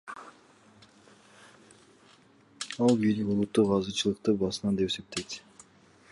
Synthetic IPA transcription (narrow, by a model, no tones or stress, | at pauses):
ɑlˠbijlikulˠut̪ːuqɑzɯt͡ʃɯlˠɯqt̪ɯbɑsɯnɑd̪e̞pese̞p̚t̪e̞jt̪